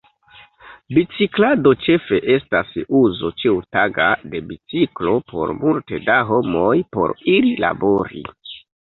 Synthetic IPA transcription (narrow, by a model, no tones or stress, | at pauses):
bit͡siklado̞t͡ʃe̞fe̞ʔe̞stasuzo̞t͡ʃiwutaɡade̞bit͡siklo̞pʰo̞̰ɾmultedaɦo̞mo̞jpo̞̰ɾilila̰bo̞ɾḭ